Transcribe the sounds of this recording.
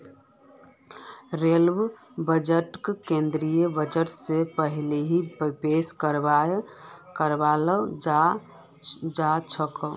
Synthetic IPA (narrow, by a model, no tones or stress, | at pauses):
ɾelb | bəd͡ʒəʈkkẽnd̪ɾijəbəd͡ʒəʈsepəɦileɦipəpeskəɾba | kəɾbaləd͡ʒa | d͡ʒat͡ʃʰəkəl